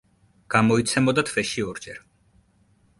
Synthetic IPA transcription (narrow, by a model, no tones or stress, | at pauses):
ɡ̥amɔit̪sʰɛmɔd̪at̪ʰvɛʃiɔɾd͡ʒɛɾ